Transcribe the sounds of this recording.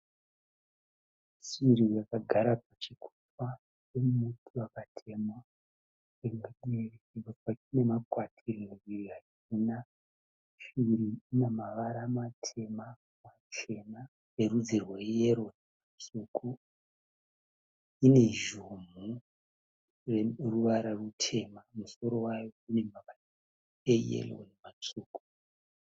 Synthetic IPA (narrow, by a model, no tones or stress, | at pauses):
ʃirijakaɡʱaɾapat͡ʃikʰu̥ta | t͡ʃemumutʰuakatʰe̞mwa | eŋɗeriotat͡ʃine̞makwatʰiriŋiwiriat͡ʃ | ina | ʃiɾiːnamaʋaɾamatʰe̞ma | mat͡ʃe̞na | erud͡zirwajeɾo̞nemat͡suːku | ine̞ʒum̤u | reruʋaɾarutʰe̞mamuso̞ɾo̞wajo̞ine̞maʋara | ejḛlo̰nemat͡suːku̥